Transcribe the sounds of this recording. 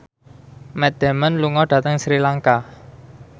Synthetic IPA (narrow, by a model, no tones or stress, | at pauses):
mɛd̪̥ɛ̤mənluŋɔɖ̥a̤t̪əŋsɾilaŋka